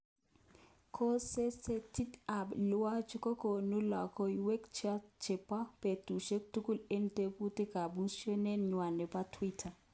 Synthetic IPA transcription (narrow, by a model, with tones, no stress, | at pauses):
kʰo˦se˦se˦tʰi˦ta˨pla˦t͡ʃi˦kɔ˦ko˨nu˦la˨kɔ˦jwɛ˦kt͡ʃa˦t͡ʃe˨pa˦pe˨tu˨ʃe˦ktu˦ku˦le˦n˦te˦pu˦ti˦ka˨ɓu˦ʃe˦nɛ˦ɲwa˨nɛ˨pa˦tʰwi˦tʰa˨